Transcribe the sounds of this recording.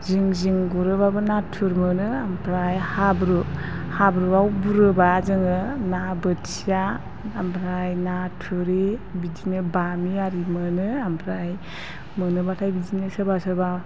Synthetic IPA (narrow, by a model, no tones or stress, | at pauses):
ziŋziŋɡuɾɯbabɯnatʰuɾmɯnɯampʰɾajhabɾuhabɾuawbuɾɯbazɯŋɯnabɯtsijaː | mpʰɾajnatʰuɾebidinɯbamiaɾimɯnɯampʰɾaj | mɯnɯbatʰajbid͡ʒinɯsəbasɯba